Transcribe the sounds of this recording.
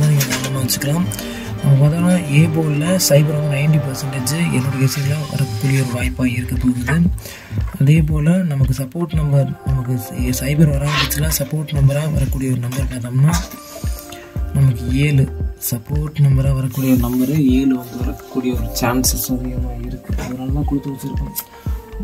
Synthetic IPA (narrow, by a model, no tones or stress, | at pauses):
anɪŋɡɐnɐmːɐmɐʋɐt͡ʃːɯkːɪɾãːm | nɐmːɐpaːt̪ɐaːlãːeːp̬oːllɐsɐɪbɐɾʋɐnd̪ɯɐɪɳɖipɐɾsɐɳʈɐd͡ʒɯɛ̰nːoːɾɯesɐjŋɡɐlaːʋɐ̰ɾɐkːuːɽɪjɐɔɾɯʋaːjpːaːɪɾɯkːɐpːoːɣɯɐðɯ | ɐðeːp̬oːlɐnɐmɐkːɯsɐpːoːɾʈnɐmbɐɾnɐmɐkːɯsɐɪbɐɾʋɐɾaːŋbɪt͡ʃːɯlãːsɐpoːɾʈnɐmbɐɾaːʋɐ̰ɾɐkːuːɽɪjɐɔɾɯnɐmbɐɾnɐːðɐmnaː | nɐmɐkːɯeːlɯsɐpːoːɾʈnɐmbɐɾaːʋɐɾɐkːuːɽɪjɐɔɾɯnɐmbɐɾɯeːlɯʋɐnd̪ɯʋɐɾɐkːkːuːɽɪjɐɔɾɯt͡ʃaːnsɐsɐɾɪjɐmaːɪɾɯkːɯɐ̰ʋɐɾaːlnãːkʊɽɪt̪ːɯʋɐt͡ʃːɪɾɯkːɯ̃